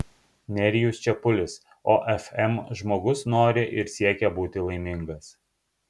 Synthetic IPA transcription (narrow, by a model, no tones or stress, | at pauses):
nʲɛɾʲɪjuːst͡ʃʲɛpʊlʲɪs | oːʔɛfɛmʒmoːɡʊsnoːɾʲɪʔɪɾsʲiɛkʲɛbuːt̪ʲɪlˠɐɪmʲɪŋɡɐs